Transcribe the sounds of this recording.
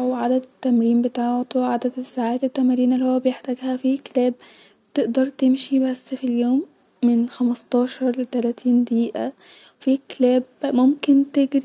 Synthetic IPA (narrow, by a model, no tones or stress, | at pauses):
wʕad̪æd̪t̪ːæmɾiːmbet̪aːʕt̪oʕad̪æd̪sːaʕaːt̪et̪ːæmæɾiːnelːihowæbejeħt̪æːɡhæfiklæːb̚ | t̪ɪʔd̪ɑɾˤt̪emʃibæsːfiljoːmː | enxæmɑst̪ˤɑːʃɑɾˤlet̪ælæːt̪ʰiːnd̪iːʔæ | wfiːklæːbmomkent̪eɡɾi